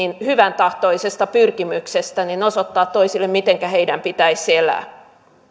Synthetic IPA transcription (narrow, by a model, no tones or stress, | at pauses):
inhyʋænt̪ɑht̪oisest̪ɑpyrkimyksest̪æninosot̪ːɑːt̪toisilːemmit̪eŋkæheidæmpit̪æiselæ̰ː